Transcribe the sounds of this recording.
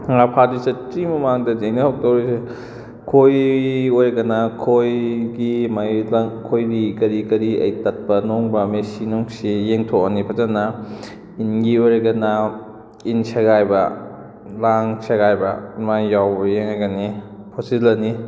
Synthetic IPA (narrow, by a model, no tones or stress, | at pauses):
ŋapʰadisɐtɾimɐmaŋdɐdejnɐhak̚tawɾise | kʰojojɾɐɡɐnakʰojɡimajlakʰojɾikɐɾikɐɾiɐ̰jtɐt̚pɐnoŋbɐmesinoŋsijeŋtʰoɐnipʰɐtanɐ | inɡiojɾaɡɐna | insʰeɡajbɐ | laŋsʰeɡajbɐ̰majjawbɐjeŋaɡanipʰosilɐni